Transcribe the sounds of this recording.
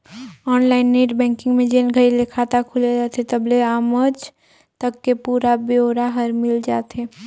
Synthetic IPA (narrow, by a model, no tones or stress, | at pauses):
ɔːnlaːɪnːeːʈbɛ̃ːŋkɪ̃ŋɡmẽd͡ʒenɡʱəɾilekʰaːt̪akʰʊleat̪et̪ɐbleaːməd͡ʒ | t̪əkːepuːɾabeoːɾaɦɐɾmɪld͡ʒaːt̪ɦeː